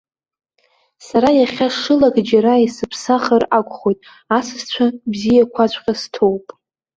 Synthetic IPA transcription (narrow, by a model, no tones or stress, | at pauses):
saɾajaχʲaʂɨlaɡʼd͡ʒaɾaisɨpʰsaχərakʷʼχo̞jtʼ | asɨst͡ɕʷʰabzijakʷʰat͡ɕʷʰʼqʲʼastʰo̞wpʼ